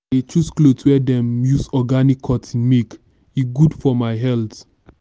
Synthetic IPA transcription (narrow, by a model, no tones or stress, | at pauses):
et͡ʃusklotwɛdɛ̃mjusɔɡanikʰːɔtĩnmek | iɡudfɔmaɪɦɛlt